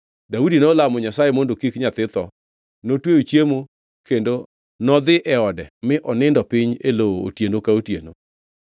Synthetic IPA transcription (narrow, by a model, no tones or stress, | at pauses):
daudinɔlamɔɲasajemondokikɲat̪ɪt̪ɔ | notwejot͡ʃjemo | kendo | nɔd̪ɪʔɛɔdɛmɪʔɔnɪndɔpɪɲelooo̰tjenokaotjḛno̰